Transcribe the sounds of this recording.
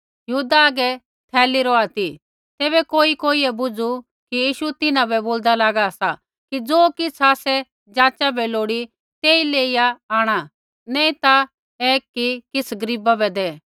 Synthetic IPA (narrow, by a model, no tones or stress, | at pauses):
jɐɦuːd̪aɐɡɛ | t̪ʰɛːliɾɔaːt̪i | t̪eːβɛkoːikoːiɛbʊd͡zu | kijiːʃut̪ɪnãbɛboːld̪alaːɡaɐsa | kid͡zoːkɪt͡sʰaːsɛ | d͡ʒaːt͡ʃabɛloːɽi | t̪eːileːijaaːɽ̃a | nɛ̃ːĩt̪a | eːkːikɪt͡sʰɡɐɾiːbabɛd̪ɛː